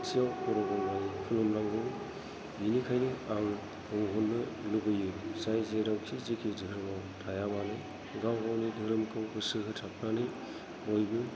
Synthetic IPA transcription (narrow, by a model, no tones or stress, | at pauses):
siawkɔɾɔɡɔŋmajkʰulɔmnaŋbɯŋ | binikʰajnɯaŋ | ɯŋɦunːɯlubɯjɯsajzeɾawkʰizikʰidɯɾɯmawtʰajabanɯ | ɡawɡawnidʱɯɾɯmkʰɯwbɯsɯɦʰɯtʰap̚ʰnanɯj | ojbɯ